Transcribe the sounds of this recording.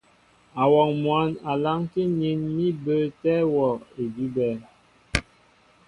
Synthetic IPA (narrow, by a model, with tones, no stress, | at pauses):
a˨wɔ˨ŋmwa˨˦na˨la˦ŋke˦ni˦nmi˦bə˦tɛ˦wɔ˨e˨di˦bɛ˦